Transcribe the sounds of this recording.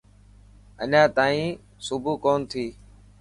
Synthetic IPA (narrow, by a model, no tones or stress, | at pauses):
ə̰ɲãːt̪aːĩː | sʊbʱuːkoːnt̪ʰiː